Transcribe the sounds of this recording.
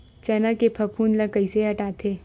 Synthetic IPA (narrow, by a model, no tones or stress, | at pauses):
t͡ʃɛnakepʰɐpʰuːnlɐkəiseɦɐʈaːt̪ʰeː